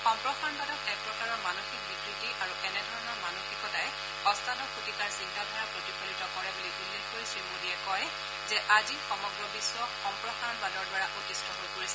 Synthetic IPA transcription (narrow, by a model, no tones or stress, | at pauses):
xɔmpɹɔxanbadɔtɛk̚pɹɔkaɹɔɹmanoxik̚bikɹitiʔaɹuʔɛnɛdʱɔɹɔnɔɹmanoxikɔtaj | xɔstʰatɔkʰutikaɹsintʰadʱaɹapɹotibonitɔkɔɹɛbuliɡulːɛtkojsɹimuniɛkɔj | zɛʔazixɔmɔɡɹɔbiswɔkxɔmpɹɔxanbadɔɹdwaɹaʔotistʰɔɦojkoɹisɛ